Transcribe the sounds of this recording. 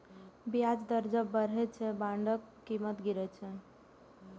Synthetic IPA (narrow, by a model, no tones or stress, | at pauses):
bijad͡ʒd̪əɾd͡ʒəbəɾɦɛt͡ʃʰɛbãɳɖəkːimət̪ɡiɾɛt͡ʃʰɛ